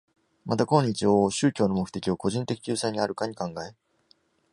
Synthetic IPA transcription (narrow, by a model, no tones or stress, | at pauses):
mat̪akõ̞ɲ̟ːit͡ɕioɕɨːkʲo̞ːno̞mo̞kɯ̟̥t̪e̞̥kʲio̞ko̞ʑĩnt̪e̞kʲi̥kʲɨːsaiɲ̟iaɾɯ̟kaɲ̟ikãŋɡae